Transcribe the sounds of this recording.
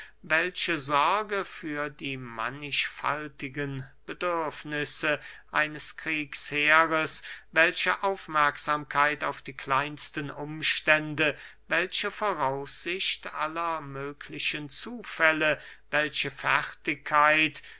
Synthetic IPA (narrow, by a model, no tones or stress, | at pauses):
vɛlʃəzɔɐɡəfyːɐdiːma̰nɪʃfa̰ltɪɡənb̥ədʏɐfnɪsəʔaɪnəskʁ̥iːksheːʁəsvɛlʃəʔaʊfmɛɐkz̥aːmkʰaɪtaʊfd̥iːkʰl̥aɪnstənʔʊmʃtɛndəvɛlʃəfoːʁaʊsz̥ɪçtʔalɐmøːkʰlɪʃənt͡suːfɛləvɛlʃəfɛʁtɪkʰːaɪt